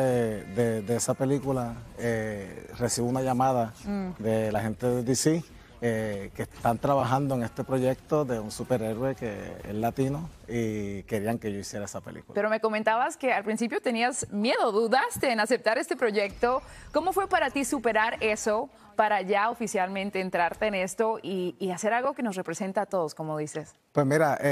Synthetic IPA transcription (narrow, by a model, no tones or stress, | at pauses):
d̪ed̪eesape̞likulaere̞siβunaʝamaðad̪e̞lahẽ̞nt̪eðed̪isi | ekest̪ant̪ɾaβaɦãnd̪oeŋe̞st̪e̞pɾo̞ʝe̞k̚t̪o̞ðe̞unsupe̞ɾe̞ɾwekḛḛlat̪inoike̞ɾiaŋkeʝo̞isje̞ɾaesapelḭkṵl̰ape̞ɾo̞meko̞ment̪aβaske̞alpɾinsipjo̞t̪e̞niazmje̞ðo̞ðuðast̪e̞ːnase̞p̚t̪aɾe̞st̪e̞pɾo̞ʝe̞k̚t̪o̞ko̞mo̞fwe̞paɾat̪isupe̞ɾaɾe̞so̞ | paɾaʝaofisjalmẽ̞nt̪e̞ːnt̪ɾaɾt̪e̞ːne̞st̪o̞iːase̞ɾalɣo̞ke̞no̞sre̞pɾe̞se̞nt̪aːt̪o̞ðo̞sko̞mo̞ðise̞s | pwesmiɾa